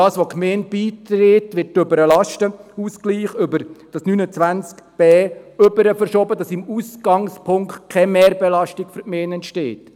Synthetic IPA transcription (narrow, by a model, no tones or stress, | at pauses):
ɑːsʋokʰmeːnb̥iːtɾɪtʋɪt̚ːøbəɾəlɑʃtəuːskliːχʏbəɾd̥ɑsnyːnət͡sʋænt͡skb̥ɛːʏbəɾəfəɾʃɔːbədɑsɪmuːsɡ̥ɑŋspʰʊŋktkʰɛmeːɾbɛlɑʃtɪkfyɾkmeːnɛntʃtḛːt